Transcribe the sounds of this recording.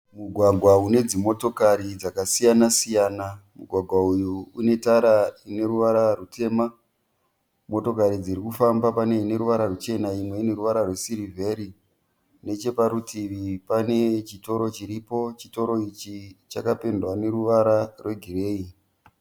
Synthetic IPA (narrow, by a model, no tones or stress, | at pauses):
muɡʱwaɡʱwaune̞d͡zimo̞to̞kaɾid͡zakasijanasijaːnamuɡʱwaɡʱwaujuune̞taɾaine̞ɾuʋaɾarutʰe̞ːma | mo̞to̞kaɾid͡ziɾikufambapane̞ine̞ɾuʋaɾarut͡ʃe̞naimwe̞ine̞ɾuʋaɾarwesiɾive̞ɾi | ne̞t͡ʃe̞paɾutʰiʋipane̞t͡ʃito̞ɾo̞t͡ʃiɾipo̞t͡ʃito̞ɾo̞it͡ʃit͡ʃakape̞ndwane̞ɾuʋaɾarwe̞ɡʱire̞ːi